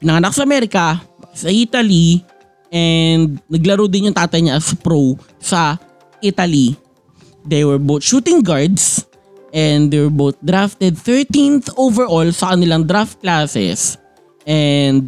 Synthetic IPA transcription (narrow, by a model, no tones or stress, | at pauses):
pɪnɐŋɐnak̚sɐʔɐmɛɾɪkɐbɐsɐʔit̪ɐli | ʔɛnd̪̚nɐɡlɐɾowd̪ɪnjʊŋt̪aːt̪ɐjɲaʔɐspɾow | sɐ | ʔit̪ali | d̪ɛjwɛɹbowt̪̚ʃuːt̪ɪŋɡaɹd̪s | ʔɛnd̪ɛɹbowt̪̚d̪ɾaft̪ɛd̪̚θɛɹt̪ĩnθʔowvɛɹʔolsɐkɐnɪlaŋd̪ɾaft̪̚klaːsɛ̰s | ʔɛnd̪̚